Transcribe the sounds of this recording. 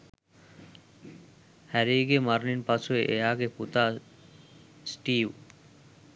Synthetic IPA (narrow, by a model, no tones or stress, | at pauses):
hɛɾiːɡeːmaɾninpat͡sʰoeʔejaːɡeːput̪aː | sʈiːw